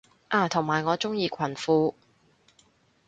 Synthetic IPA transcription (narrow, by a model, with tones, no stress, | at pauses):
ʔaː˨˩t̪ʰʊ˨˩ŋmaː˨˩jŋɔː˨˧t͡sʊ˥ŋjiː˧kʷʰɐ˨˩nfuː˧